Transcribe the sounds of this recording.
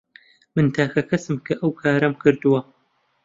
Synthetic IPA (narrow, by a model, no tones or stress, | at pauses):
mɨnt̪ʰaːkɐkʰɐsɨmkʰɐʔɐwkʰaːɾɐmkʰɨɾd̪uwɐ